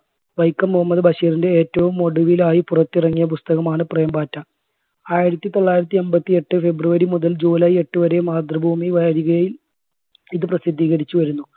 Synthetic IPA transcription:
ʋɐjkːɐmːuɦɐmːɐðɨbʱɐɕiːrinde̞eːtːɐʋumːo̞ɽuʋilaːjipurɐt̪ːirɐŋːijɐp̬ust̪ɐɣɐmaːɳɨprejmbaːtːɐ | aːjiɾɐt̪ːit̪o̞ɭːaːjɾɐt̪̬ːie̞mbɐt̪ːie̞ʈːɨfe̞bruʋɐɾimuðɐld͡ʑuːlɐjie̞ʈːɨʋɐɾe̞maːd̪rɐbʱuːmiʋɐɾiɣɐjɐjil | iðɨprɐsid̪ʱːiːɣɐɽit͡ɕːuʋɐɾunːu

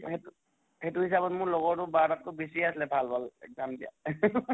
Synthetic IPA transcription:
hetu | hetuhis̬abɔtmʊɹlɔɡɔɹtʊbadat̚tʊbisiaslɛbʱalbʱalɛ̰kzamdija̰

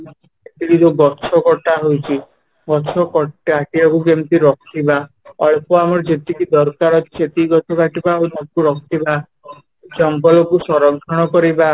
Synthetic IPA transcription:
et̪ikid͡ʒeɡɔt͡ʃʰɔkɔʈaɦojt͡ʃʰi | ɡɔt͡ʃʰɔkɔʈaʈiakukemt̪iɾɔkʰiba | ɔɭpɔamɔɾd͡ʒet̪ikid̪ɔɾkaɾɔt̪i̥set̪iɡɔt̪ʰɔkaʈibaonɔkuɾɔkʰt̪iba | d͡ʒɔŋɡɔlɔkusɔɾɔŋkʰɔɽ̃ɔkɔɾiba

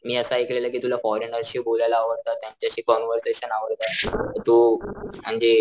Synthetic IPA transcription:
miːəsaiklelakiːt̪ulafɔɾenəɾɕiːbʱolajlaːʋəɾt̪at̪ːjaɲt͡ɕjaɕiːkɔnʋəɾseɕənaʋəɾt̪at̪ət̪um̤əɳd͡ze

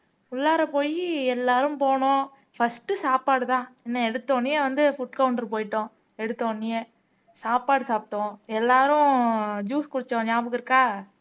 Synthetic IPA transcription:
ʊlːaːɾɐpoːjiɛlːaːɾɯ̃mpoːɳʊ̃ | fɐsʈːɯsaːpaːɽɯt̪ãːɪnːɐɛɽɯt̪ːoːnɪjeʋɐnd̪ɯfʊʈkɐʊɳʈɾpoːjɪʈːʊ̃ː | ɛɽɯt̪ːõːɳːɪje | saːpːaːɽɯsaːp̚ʈːʊ̃ːɛlːaːɾʊ̃d͡ʒuːskʊɽɯt͡ʃːõːɲaːbɯkːɯɪɾɯkːaː

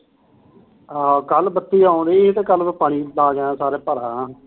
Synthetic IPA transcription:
akəlbət̪ːiːaʊːnd̪eːɪt̪ẽːkəlbiːpaːɽ̃iːlaːɡãːsaːɾeːpəɾaːãː

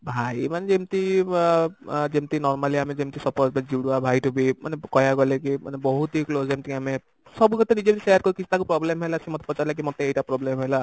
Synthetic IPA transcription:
bʱajmaned͡ʒemt̪i | d͡ʒemt̪inɔɾmaliamed͡ʒemt̪isɔpɔtbad͡ʒiɽuabʱajʈubimanekɔjaɡɔlekima̰nebɔɦut̪iklozemt̪iame | sɔbuɡt̪enid͡ʒebt̪isejaɾkɔɾikit͡ʃʰu̥t̪akupɾɔblemɦelasimɔt̪e̥pɔt͡ʃalek̬imɔt̪eːjʈapɾɔblemɦɔla

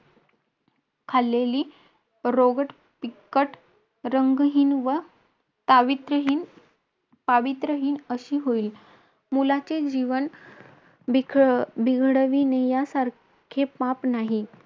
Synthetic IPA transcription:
kʰalːeliː | ɾoɡəʈ | pikːəʈ | ɾəŋɡɦiːnʋə | t̪aʋit̪ɾəɦiːn | paʋit̪ɾəɦiːnəɕiːɦoiːl | mulat͡sed͡ʑiʋən | biɡʱɽəʋinejasaɾ | kʰepapnaɦi

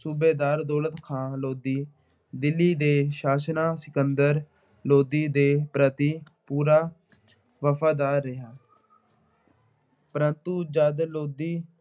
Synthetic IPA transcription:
suːbeːd̪aːɾd̪ɔːlət̪kʰãːloːd̪iː | d̪ɪlːiːd̪eːʃaːsnaːsɪkənd̪əɾ | loːd̪iːd̪eːpɾət̪iː | puːɾaː | ʋəpʰaːd̪aːɾːɪɦaː | pəɾənt̪ud͡ʒəd̪loːd̪iː

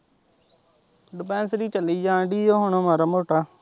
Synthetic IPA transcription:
ɖɪpɛ̃ːnsɾiːt͡ʃəliːd͡ʒãːɳɖiːjoːɦʊɳõːmaːɾaːmoːʈaː

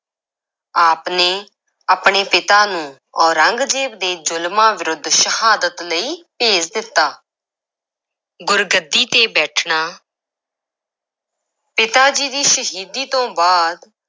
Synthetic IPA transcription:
aːpneː | aːpɳeːpɪt̪aːnũː | ɔːɾəŋɡd͡ʒeːʋd̪eːd͡ʒʊlmãːʋɪɾʊd̪ʱːʃəhaːd̪ət̪ləiːpeːd͡ʒd̪ɪt̪ːaː | ɡʊɾɡəd̪ːiːt̪eːbɛːʈʰɳaː | pɪt̪aːd͡ʒiːd̪iːʃəɦiːd̪iːt̪õːbaːd̪

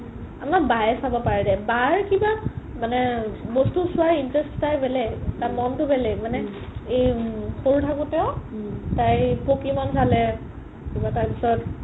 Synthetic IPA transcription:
amabajɛsabɔpaɹɛdɛbaɹkibamanɛbɔstusʊaɹintɹɛsttajbɛlɛtaɹmɔntʊbɛlɛmanɛ | ejxoɹutʰakʊ̃tɛʊ̃tajpokimɔnsalɛ | kibataɹpisɔt

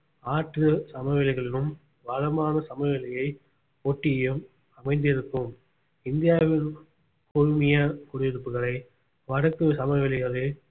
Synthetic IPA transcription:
aːʈrɯsɐmɐʋɪlɪɣɐɭɪnɯm | ʋɐɻɐmaːnɐsɐmɐʋɪlɪjɐɪ | oːʈːɪjɯm | ɐmɐɪnd̪ɪɾɯkːɯm | ɪnd̪ɪjaːʋɪn | kʊɻɯmɪjɐkʊɽʊʋɪɾɯpːɯɣɐɭɐɪ | ʋɐɽɐkːɯsɐmɐʋɪlɪɣɐɭɯ

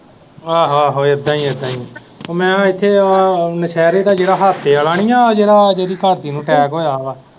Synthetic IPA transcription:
aːɦaːɦoːəd̪ãːiːəd̪ãːiː | oːmɛ̃ːɪt̪ʰːeːnəʃʰɛːɾeːt̪aːd͡ʒeːɾɽaːɦaːt̪ʰːeːəlaːɽ̃iːãːd͡ʒeːɾaːd͡ʒeːɾiːkəɾt̪iːnũːʈʰɛːkɦoːjaːʋaː

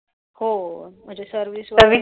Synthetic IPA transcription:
hom̤əɳd͡ʑesəɾʋisʋəʋi

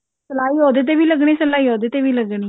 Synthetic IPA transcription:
səlaːiːɦoːd̪eːt̪̬eːʋiːləɡɽeːsəlaːiːɦoːd̪eːt̪eːʋiːləɡɳiː

